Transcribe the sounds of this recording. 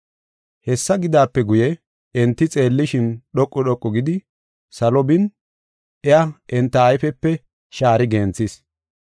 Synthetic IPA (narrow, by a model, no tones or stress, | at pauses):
hɛsːɐɡɪd̪aːpːɛɡʊjɛ | ɛnt̪ːɪt͡sʼe̞ːlːɪʃɪnɗɔkʼːɔɗɔkʼːɔɡɪd̪ɪ | sɐlɔbɪn | ʔɛaʔɛnt̪ːɐːjfɛpːɛ | ʃaːɾɪɡɛːnt͡sːis